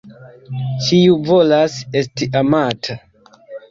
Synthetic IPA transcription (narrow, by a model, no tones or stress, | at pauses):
t͡ʃiuvo̞lase̞stiʔamatʰa